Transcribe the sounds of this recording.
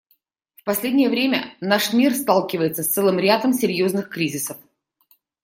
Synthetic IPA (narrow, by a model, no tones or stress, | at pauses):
fpɐsʲlʲedʲnʲɪjəvɾʲemʲə̰naʂmʲirst̪alˠkʲɪvəjɪt̪səst̪sɛlˠɨmɾʲad̪əmsʲɪɾʲjoznɨxkɾʲizʲɪsəf